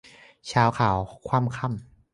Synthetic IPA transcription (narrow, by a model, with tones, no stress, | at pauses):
t͡ɕʰaː˦˥wkʰaː˩˦wkʰwaː˧˥˨mkʰa˧˩˨m